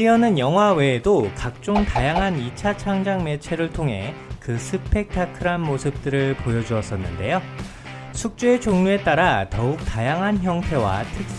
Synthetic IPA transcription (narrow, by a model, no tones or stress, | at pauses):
iʌnɯnjʌŋɦwawe̞ːdokak̚t͡ɕ͈oŋtajaŋɦanit͡ɕʰat͡ɕʰaŋd͡ʑaŋme̞t͡ɕʰe̞ɾɯɭtʰoŋɦe̞̰kɯsʰɯpʰe̞k̚tʰakʰɯɾanmosʰɯp̚t͈ɯɾɯɭpojʌd͡ʑuʌs͈ʌnːɯnde̞jo | sʰuk̚t͡ɕ͈ue̞t͡ɕoŋɲue̞t͈aɾatʌuk̚tajaŋɦançjʌŋtʰe̞wa̰tʰɯk̚